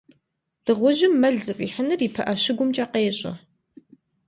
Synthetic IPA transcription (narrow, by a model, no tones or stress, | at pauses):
d̥ɨʁʷʊʒɪmːɐɮzɨfʼḭːħənɨriːpʰɐʔɐʃɪɡʷʊmt͡ʃʼɐqeːɕʼɐ̰